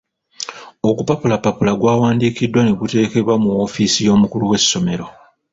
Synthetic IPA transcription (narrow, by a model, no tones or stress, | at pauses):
o̞kupapulapːapulaɡwaːwaːndiːkidːwane̞ɡute̞ːke̞βwamuwo̞ːfiːsijo̞ːmukuluwe̞sːo̞me̞ɾo